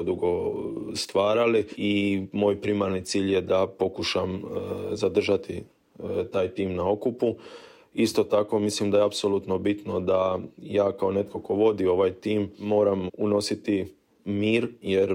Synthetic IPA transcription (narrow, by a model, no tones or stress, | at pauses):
od̪uɡo̞st̪ʋaːɾaliimo̞ːjpɾimaɾnit̪siːʎjed̪apo̞kuʃamzad̪r̩ʒat̪i | t̪aːjt̪iːmnao̞kupu | ist̪o̞t̪ako̞mislimd̪ajeapsoluːt̪no̞bit̪no̞d̪ajaːkao̞ne̞t̪kʰo̞ko̞ʋo̞d̪io̞ʋajt̪iːmːo̞ːɾamuno̞sit̪i | miːɾjeɾ